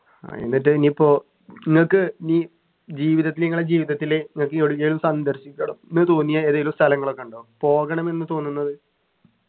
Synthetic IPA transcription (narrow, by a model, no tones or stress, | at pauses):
a̰ḛnːiʈ̬ːɨnipoː | iŋːɐɭkːɨiniː | d͡ʑiːʋiðɐt̪ːileiŋːɐɭed͡ʑiːʋiðɐt̪ːileniŋːɐɭk̬ːɨoɽuɣɐjilumsɐnd̪ɐɾɕikʲːɐɳɐmnːɨt̪oːnːijaeːðejilumst̪ʰɐlɐŋːɐɭo̞kːeuɳɖoːumpo̞ːɣɐɳɐme̞nːɨt̪o̞ːnːunːɐðɨ